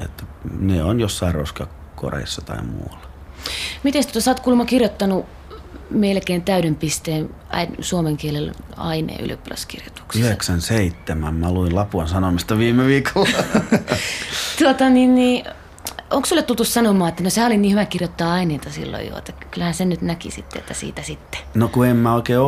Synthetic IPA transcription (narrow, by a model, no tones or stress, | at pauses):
ḛt̪ːæneonjosːɑirroskɑ | ko̰rḛisːɑt̪ɑ̰imṵlːɑ | mit̪est̪uot̪ɑsɑːt̪kulmɑkirjot̪ːɑnu | melkeːnt̪æyɾempist̪eːn | æ̰insuomeŋkielelɑ̰inḛːy̰lø̰pːlɑ̰skḭrjot̪u̥ksyiheksænseit̪ːemæ̰mmæluilɑpuɑnsɑnomist̪ɑʋiːmeʋiːkol | t̪uot̪ɑninniː | oŋksulːet̪ult̪ussɑnomɑːet̪ːænosehæoliniːhyʋækirjot̪ːɑːɑineit̪ɑsḭlːo̰jo̰ḛt̪ːækylhæːsennyt̪nækḭsḭt̪ːḛḛt̪ːæsḭːt̪æsit̪ːe̥nokuemːmæoˑikeːo